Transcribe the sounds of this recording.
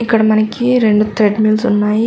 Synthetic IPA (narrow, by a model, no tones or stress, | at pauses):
ikəɽmanekiɾeɳɖt̪ʰɾeɖmilsonːai